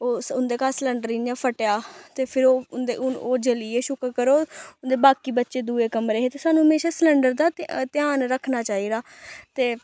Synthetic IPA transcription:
oːʊnd̪eːkaːsləɳɖəɾiːnd͡ʒãːpʰəʈjaːt̪eːpʰɪɾoːnd̪eoːd͡ʒəliːeːʃʊkɾkəɾoːʊnd̪eːbaːkiːbətːʃeːd̪uːeːkəmɾeːɦeːt̪eːsaːnuːɦəmeːʃaːsləɳɖəɾd̪aːt̪ɪjaːnɾəkʰnaːt͡ʃaːiːd̪aː | t̪eː

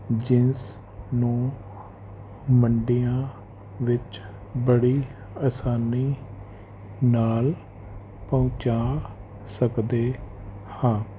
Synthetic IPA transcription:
d͡ʒɪns | nũː | məɳɖijãː | ʋɪt͡ʃ | bəɽiː | aːsaːniː | naːl | pɔʊ̃t͡ʃaː | səkd̪eːhãː

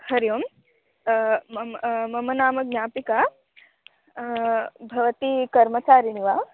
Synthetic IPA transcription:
hɐɾjoːm | mɐmɐnaːmɐɡ̚nʲaːpikaː | bʱɐʋɐt̪ikɐɾmɐt͡ʃaːɾiniʋaː

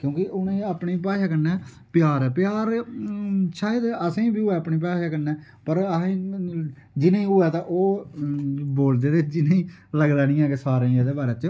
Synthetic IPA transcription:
kjõːkɪʔʊnẽːaːpniːpaːʃaːkəɾnɛː | pɪjaːɾɛːpjaːɾ | ʃaːed̪əsẽːbiːʊɛːəpɳiːp̬aːʃaːkəɾnɛː | pəɾəɦː | d͡ʒɪnẽːĩːʊɛːt̪ãːʔoː | boːld̪eːd̪eːd͡ʒɪnẽĩːləɡd̪aːnĩːɛ̃ːkesaːɾẽiãːd̪eːbaːɾeːt͡ʃ

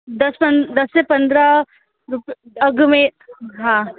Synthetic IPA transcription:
d̪ɐspɐ̃nd̪ɐsːepɐ̃nd̪ɾa | ɾʊpɐɡmẽɦãː

